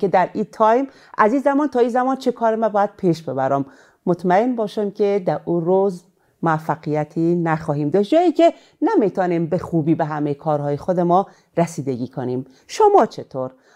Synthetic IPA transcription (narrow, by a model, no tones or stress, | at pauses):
ked̪æɾit̪ʰɒːjm | ʔæzinzæmɒːnt̪ʰɒːiːzæmɒːnt͡ʃʰekʰɒːɾemæbɒːjæd̪̥̚pʰiʃbe̞bæɾɒmː | ot̪mæe̞nbɒːʃæmkʲʰed̪æɾuɾoz | moæfːæɣijæt̪ʰiːnæxɒːhiːmd̪ɒːʃd͡ʒɒːiːcʰe | næmit̪ʰɒːnimbexuːbiːbeɦæmejekʰɒːɾɦɒːjexod̪emɒ | ɾæsiːd̪eɡiːkʰoniːm | ʃomɒːt͡ʃʰe̞t̪ʰoːɾ